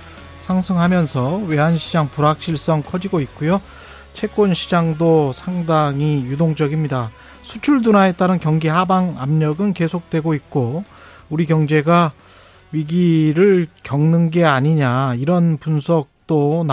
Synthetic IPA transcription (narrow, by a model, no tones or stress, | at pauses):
sʰaŋsʰɯŋɦamjʌnsʰʌwe̞ɦanɕʰid͡ʑaŋpuɾɦak̚ɕ͈iɭs͈ʌŋkʰʌd͡ʑiɡoit̚k͈ujo | t͡ɕʰe̞k͈onɕʰid͡ʑaŋdosʰaŋdaŋijudoŋd͡ʑʌɡimɲida | sʰut͡ɕʰuɭdunae̞t͈aɾɯnkjʌŋɡihabaŋa̰mɲʌɡɯnke̞sʰok̚t͈we̞ɡoit̚k͈o | uɾikjʌŋd͡ʑe̞ɡa | ɥiɡiɾɯɭkjʌŋnɯnɡe̞aɲiɲaiɾʌnpunsʰʌk̚t͈on